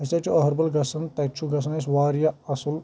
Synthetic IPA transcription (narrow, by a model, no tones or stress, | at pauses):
ɐsɐt͡ʃʰuɐɦɐɾbɐlɡɐsɐnt̪ɐt͡ʃʰuɡɐs̬ɐnes̬ʋaːɾjɐɐsul